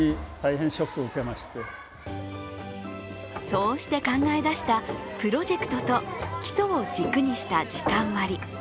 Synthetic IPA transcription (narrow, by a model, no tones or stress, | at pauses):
it̪aihẽɰ̃ɕokːɯoɯ̟ke̞maɕi̥t̪e | so̞ːɕi̥t̪e̞kãŋɡae̞d̪aɕi̥t̪apɯ̟ɾo̞ʑe̞kɯ̟̥t̪ot̪o̞kʲi̥so̞ːd͡ʑikɯ̟ɲ̟iɕi̥t̪ad͡ʑikãɰ̃βaɾʲi